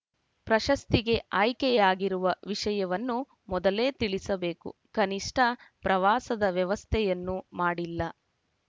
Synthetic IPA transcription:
pɾɐʃɐst̪iɡe̞aːjkɛjaːɡiɾuʋɐʋiʂɐjɐʋɐnːu | mɔd̪ɐle̞ːt̪iɭisɐbe̞ːkṵkɐniʂʈʰɐpɾɐʋaːsɐd̪ɐʋjɐʋɐst̪ʰɛjɐnːumaːɽilːɐ

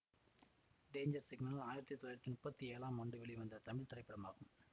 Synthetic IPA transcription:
ɖeːɲd͡ʒɐɾsɪɡnɐllaːjɪɾɐt̪ːit̪ɔlːaːɪɾt̪ːimʊpːɐt̪ːieːlãːmːɐɳɖɯʋɛɭiʋɐnd̪ɐt̪ɐmɪɭt̪ɪɾɐɪpːɐɽɐmaːɣɯm

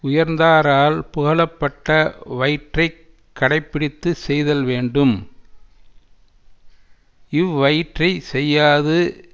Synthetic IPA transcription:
ʊjɐɾnd̪aːɾaːlpʊɣɐlɐpːɐʈːɐʋɐɪʈrɐɪ | kːɐɽɐɪpːɪɽɪt̪ːɯsɛjðɐlʋeːɳɖɯm | ɪʋʋɐɪʈrɐɪsɛjːaːðɯ

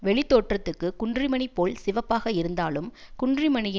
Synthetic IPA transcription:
ʋɛɭɪt̪ːoːʈrɐt̪ːɯkːɯkʊɳdrɪmɐnɪpːoːlsɪʋɐpːaːɣɐɪɾɯnd̪aːlɯmkʊɳdrɪmɐnɪj

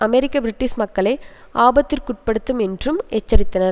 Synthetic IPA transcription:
ɐmɛɾɪkːɐbɾɪʈːɪsmɐkːɐɭeːʔaːbɐt̪ːɪrkʊʈ̚pɐɽɯt̪ːɯmɛndrɯmɛt͡ʃːɐɾɪt̪ːɐnɐɾ

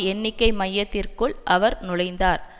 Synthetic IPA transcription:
ɛnːɪkːɐɪmɐjːɐt̪ːɪrkɯɭʔɐʋɐɾnʊlɐɪnd̪aːɾ

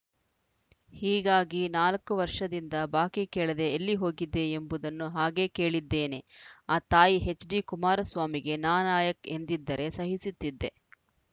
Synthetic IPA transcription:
hiːɡaːɡinaːlɐkːuʋɐɾʂɐd̪ind̪ɐbaːkikeːɭɐd̪e̞ːlːiɦo̞ːɡid̪ːe̞ːmbud̪ɐnːuɦaːɡe̞ːke̞ːɭid̪ːe̞ːne̞aːt̪aːjiɦe̞t͡ʃːɖikumaːɾɐsʋaːmiɡe̞naːnaːjɐke̞nd̪id̪ːɐɾʔe̞sɐɦisut̪ːid̪ːe̞

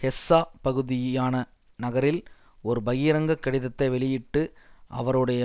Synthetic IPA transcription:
hɛsːaːpɐɣɯðɪjjaːnɐ | nɐɣɐɾɪl | ɔɾɯbɐjɪɾɐŋɡɐkːɐɽɪðɐt̪ːɐɪʋɛɭɪjɪʈːɯʔɐ̰ʋɐɾɯɽɐjɐ

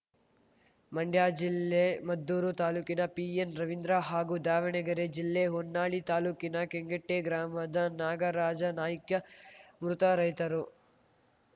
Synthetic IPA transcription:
mɐɳɖʱjaːd͡ʒilːemɐd̪ːuːɾut̪aːluːkinɐpiːenɾɐʋind̪ɾaɦaːɡud̪aːʋɐɳɛɡɐɾed͡ʒilːeɦonːaːɭit̪aːluːkinɐkeŋɡeʈːeɡɾaːmɐd̪ɐnaːɡɐɾaːd͡ʒɐnaːjɐkjɐmɾut̪ɐɾɐjt̪ɐɾu

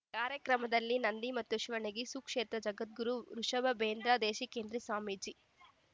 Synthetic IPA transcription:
kaːɾjɐkɾɐmɐd̪ɐlːinɐnd̪imɐt̪ːuʃʋɐɳiɡisukʂeːt̪ɾɐd͡ʒɐɡɐt̪̚ɡuɾuɾuʂɐbɐbeːnd̪ɾaːd̪eːʃikeːnd̪ɾisaːmiːd͡ʒi

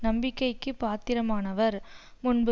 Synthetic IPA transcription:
nɐmbɪkːɐɪkːɯpːaːt̪ɪɾɐmaːnɐʋɐɾ | mʊnbɯ

